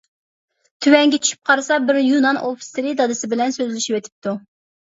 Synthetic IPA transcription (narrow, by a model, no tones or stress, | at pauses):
t̪ʰywɛŋɡʲɛt͡ʃʰy̥ʃy̥p̚qʰɑɾɨsɑbɪɾjunɑnofi̥sɪɾid̪ɑd̪ɨsɪbɪlɛnsøzlyʃiwet̪ʰɪ̥p̚t̪ʰu